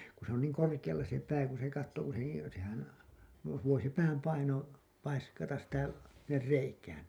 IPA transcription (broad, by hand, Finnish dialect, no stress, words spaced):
ku se on niːŋ korkij̆ɑlːɑ se pæː kun̞ se kɑtːoː ku se niːn̞ sehæn ʋo ʋoi se pæːm pɑino pɑiskɑtɑs sitæ sinːer reikæːn